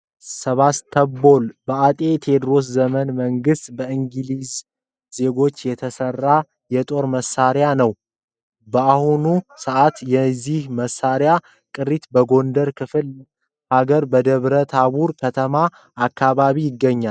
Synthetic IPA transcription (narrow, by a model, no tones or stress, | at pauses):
səβast̪ʰːəbo̞lbəat̪ʼe̞t̪ʰe̞d̪ɾo̞s̬zəmənməŋɡɨst̪bəɨŋɡɨliz | ze̞ɡo̞t͡ʃːjɛt̪ʰəsərːa | jɛt̪ʼo̞ɾməsaɾjanəw | bəahunusəʔat̪jɛzːihməsːaɾja | kʼɨɾit̪bəɡo̞nd̪əɾkʰɨfɨl | haɡəɾbəd̪əβɾət̪ʰaβuɾkʰət̪ʰəmaː | kːaβaβijɪɡːəɲːal